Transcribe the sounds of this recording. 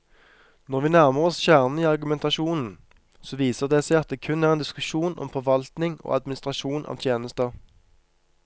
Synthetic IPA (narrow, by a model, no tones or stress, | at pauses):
nɔʁʋiːnæʁməʁɔsʃæːʁn̩iːɑʁɡʉmɛnt̪ɑʃuːnn̩ | soːʋiːsəʁd̪eːsæɪɑt̪̚d̪eːkʰʉnæːʁeːnd̪ɪskʉʃuːnɔ̰mfɔʁʋɑlt̪nɪŋo̰ːɑd̪mɪnɪst̪ʁɑʃuːnʔɑ̰ːʋt̪ʰjeːnəst̪ə